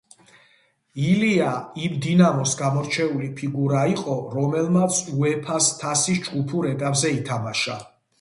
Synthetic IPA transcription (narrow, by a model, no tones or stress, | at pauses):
iliaimd̪inamɔsɡamɔɾt͡ʃʰɛulipʰiɡuɾaiqʼɔɾɔmɛlmat̪sʰuɛpʰast̪ʰasisd͡ʒɡupʰuɾɛt̪ʼapʼzɛit̪ʰamaʃa